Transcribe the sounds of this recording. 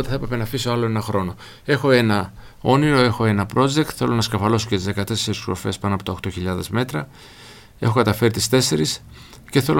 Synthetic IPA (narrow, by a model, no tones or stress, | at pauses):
t̪eθɐe̞pɾe̞pe̞nɐfisoɐlo̞e̞nɐxɾo̞no̞ | e̞xo̞e̞nɐ | o̞niɾo̞e̞xo̞e̞nɐpɾo̞d͡ʒek̚t̪θe̞lonɐskɐfɐlo̞socet̪izðe̞kɐt̪e̞seɾiskɾo̰fe̞spɐnoɐpo̞t̪ɐoxt̪o̞çiʎɐðe̞zme̞t̪ɾɐ | e̞xokɐt̪ɐfe̞ɾit̪ist̪e̞se̞ɾis | ce̞θe̞lo